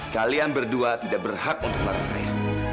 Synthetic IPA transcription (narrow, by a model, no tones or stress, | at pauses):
kalianbərduat̪idaʔ̚bərhak̚unt̪ʊk̚laɾa̰ŋsaja